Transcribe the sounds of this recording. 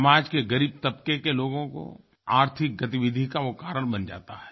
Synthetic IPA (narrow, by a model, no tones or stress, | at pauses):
maːd͡ʒkeɡɐɾiːb̚t̪ɐp̚kekeloːɡõko̰ | aːɾt̪ʰɪk̚ɡɐt̪iʋɪd̪ʱikaokaːɾəɽ̃bɐnd͡ʒa̰ːt̪aɦɛː